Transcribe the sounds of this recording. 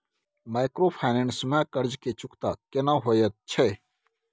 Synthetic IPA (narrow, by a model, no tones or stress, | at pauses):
maːjkɾoːpʰaːneɳsmɛ̃ːkəɾd͡ʒkeːt͡ʃʊkt̪aːkenãːɦoːjət̪̚t͡ʃʰeː